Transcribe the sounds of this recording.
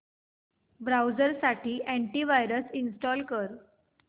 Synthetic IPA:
bɾawzəɾsaʈʰiːʔæ̃ɳʈiʋajɾəsinsʈɔlkəɾ

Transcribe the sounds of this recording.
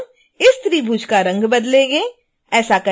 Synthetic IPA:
ɪst̪ɾibʱuːd͡ʒkaɾɐ̃ŋɡbɐd̪leɡeː | ɛːsakɐ

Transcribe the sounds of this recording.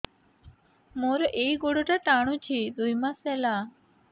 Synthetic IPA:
moːɾoʔeiɡoɽoʈaʈaːɽ̃ũt͡ʃʰid̪ujmãsela

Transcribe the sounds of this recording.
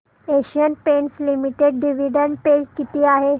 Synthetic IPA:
eɕijənpenslimiʈeɖɖiʋiɖəɳɖpekit̪iːaɦe

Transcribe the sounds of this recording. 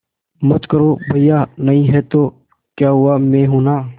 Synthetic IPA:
mət̪kəɾoːbʱɐijaːnɐɦĩɦɛt̪oː | kjaːɦʊamẽːɦuːnaː

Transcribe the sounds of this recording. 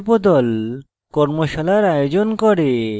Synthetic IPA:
pod̪ɔl | kɔɾmoʃalajɾajod͡ʑonkɔɾe

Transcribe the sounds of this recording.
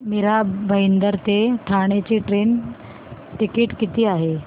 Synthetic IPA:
miɾabʱəjnd̪əɾt̪eʈʰaɳ̃et͡ɕiʈɾen | ʈ̪ikeʈkit̪iːaɦe

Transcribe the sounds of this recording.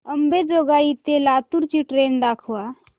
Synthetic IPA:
əmbed͡ʒoɡait̪elat̪uɾt͡ʃiʈɾend̪akʰua

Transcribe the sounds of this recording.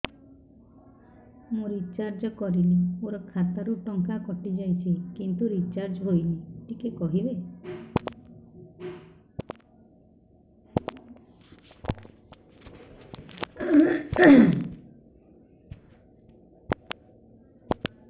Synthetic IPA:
mũɾit͡ʃaɾd͡ʒɔkɔɾileoɾɔkʰat̪aɾuʈɔŋkakɔʈid͡ʒajt͡ʃʰikint̪uɾit͡ʃaɾd͡ʒɦojniʈikekɔɦibe

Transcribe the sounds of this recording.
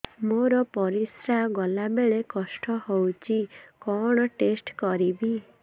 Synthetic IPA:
moɾɔpɔɾisɾaɡɔlabeɭekɔsʈɔhowt͡ʃʰikɔɽ̃ɔʈesʈkɔɾibi

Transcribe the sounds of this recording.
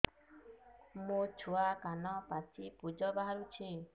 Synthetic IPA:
mũt͡ʃʰuakanɔpat͡ʃʰipud͡ʒɔbaɦaɾut͡ʃʰi

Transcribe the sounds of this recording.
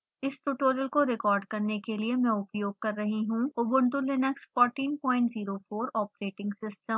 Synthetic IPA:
ɪsʈuːʈoːɾəlkoɾɪkɔːɾɖkɐɾnekeliemɛ̃ːʊpjoːɡ̚kɐɾːɐɦiɦũobʊ̃ɳd̪ulɪnəksfɔːɾʈiːnpɔ̃ːɪ̃ɳʈziːɾofoːɾɔːpɾeːʈɪ̃ŋɡsɪsʈəm

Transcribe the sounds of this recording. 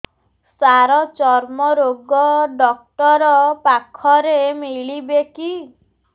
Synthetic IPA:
saɾɔt͡ʃɔɾmɔɾoɡɔɖɔk̚ʈɔɾɔpakʰːɔɾemiɭibeki

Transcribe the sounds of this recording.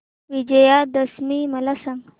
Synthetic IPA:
ʋid͡ʑəjad̪əsmiməlasãŋɡ

